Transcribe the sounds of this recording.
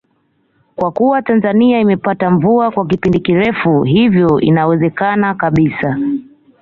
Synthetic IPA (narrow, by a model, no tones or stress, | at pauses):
kwakuwatanzaniaimɛpataɱvuakwak̬ipindikiɾɛfuɦivjɔḭnawɛzɛkanakaɓisa